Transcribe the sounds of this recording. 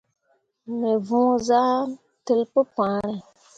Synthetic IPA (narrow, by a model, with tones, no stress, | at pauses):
me˨vũ˦za˦ | tɨ˦lpɨ˦pãː˨˦ɾɨ˨